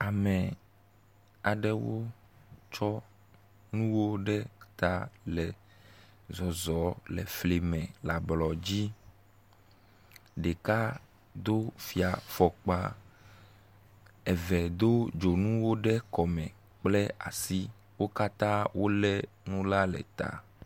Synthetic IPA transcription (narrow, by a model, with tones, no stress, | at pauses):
a˨mɛ˨ | a˨ɖɛ˦wo˦ | t͡ʃɔ˦ | nũ˦wo˦ɖɛ˦t̪a˨lɛ˨ | zɔ˨zɔ˨˦lɛ̰˨fle˨mɛ̃˨la˨blɔ˨d͡ʑi˦ | ɖɛ˨ka˦ | d̪o˦fi˨a˨fɔ˨k͡pa˦ | ɛ˨vɛ˨d̪o˦d͡ʒo˨nũ˦wo˦ɖɛ˦kɔ˨mɛ̃˨ | k͡plɛ˦a̰˨si˦ | wo˦ka˦t̪ã˦wo˦lɛ˦ | nũ˦la˦lɛ̰˨t̪a̰˨